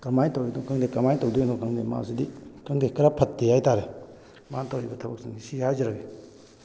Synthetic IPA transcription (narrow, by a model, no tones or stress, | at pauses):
kɐmajtowidokʰaŋdekɐmajtowdujnɔkʰaŋdema̰sidikaŋdekəɾapʰɐtːejajtaɾe | mantawibɐtʰɐbɐk̚siŋisihajziɾaɡe